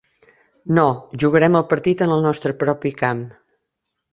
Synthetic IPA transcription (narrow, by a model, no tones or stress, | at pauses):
noʒuɣ̞əɾɛməlˠpəɾt̪it̪ənəlˠnɔst̪ɾəpɾɔpikam